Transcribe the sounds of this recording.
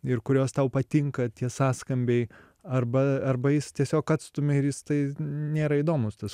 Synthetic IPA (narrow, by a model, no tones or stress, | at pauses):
ɪrkʊɾʲoːst̪ɐʊpɐt̪ʲɪŋkɐt̪ʲiɛsɑːskɐmʲbʲɛɪ | ɐrbɐɐrbɐjɪst̪ʲiɛsʲoːkɐt̪st̪ʊmʲɪɪɾjɪst̪ɐɪnʲeːɾɐiːd̪oːmʊst̪ɐs